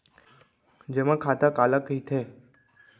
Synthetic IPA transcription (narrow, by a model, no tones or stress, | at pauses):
d͡ʒemãkʰat̪akaləkɦit̪ʰe